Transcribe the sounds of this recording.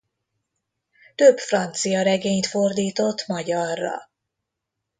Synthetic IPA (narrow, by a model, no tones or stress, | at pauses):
t̪øbfrɒnt̪sijɒɾɛɡeːɲt̪fo̞rd̪iːt̪o̞t̪ːmɒɟɒrːɒ̰